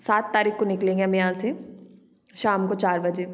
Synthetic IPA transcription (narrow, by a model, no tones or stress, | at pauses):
saːt̪ːaːɾiːkkonɪklẽːŋɡeamẽjãːse | ʃaːmkot͡ʃaːɾbɐd͡ʒeː